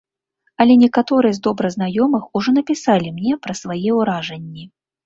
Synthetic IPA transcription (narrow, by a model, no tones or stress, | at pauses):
ɐlʲɛnʲɛkat̪ɔɾɨjɛzd̪ɔbɾɐznajɔmɨxuʐɔnɐpʲisalʲimnʲɛpɾɐsvajɛwɾaʐɛnʲːi